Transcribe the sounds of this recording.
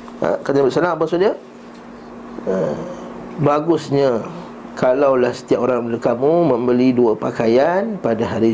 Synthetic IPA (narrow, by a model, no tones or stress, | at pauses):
ə̰kaɲãbəʔsənãʔpasudə | ə | baɡʊsɲa | kalawlahsə̥t̪iapoɾaŋbələkamũmə̃mbəliduapakajanpadaɦaɾi